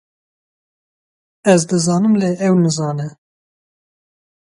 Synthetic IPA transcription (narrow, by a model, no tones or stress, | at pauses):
ɛzd̪ɨzɑːnɨmleːʔɛwnɨzɑːnɛ